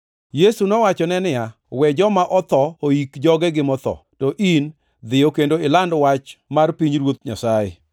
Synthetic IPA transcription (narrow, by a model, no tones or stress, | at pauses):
jesunɔwat͡ʃɔnɛnɪja | wɛd͡ʒɔmaʔɔt̪ɔoikd͡ʒɔɡɛɡɪmɔt̪ɔ̰tɔʔin | d̪ɪjokendoɪlandwat͡ʃmarpiɲɾwot̪ɲa̰sajɪ̰